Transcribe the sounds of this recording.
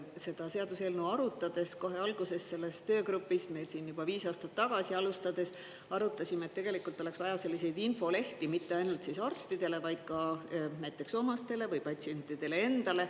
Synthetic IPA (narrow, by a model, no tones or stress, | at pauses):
se̞d̪̥ɑse̞ɑd̪̥use̞ːlnuɑɾut̪ːˑɑd̪̥e̞sko̞ɦe̞ɑlɡ̥use̞sse̞lːe̞st̪ø̞ːkɾupːˑismesiːnjub̥ɑviːsɑːst̪ɑt̪ːɑɡ̥ɑsiɑlust̪ɑd̪̥e̞s | ɑɾut̪ˑːɑsʲimet̪ːe̞ɡ̥e̞likˑult̪ole̞ksvɑjɑse̞lːise̞jd̪info̞le̞ht̪imit̪ːe̞ɑjnult̪sisɑrst̪id̪̥e̞le̞vɑjd̪̥̚kɑnæjt̪ːˑekso̞mɑst̪e̞le̞vɯjpɑt̪ʲsienʲt̪ːˑid̪̥e̞le̞e̞nd̪̥ɑle̞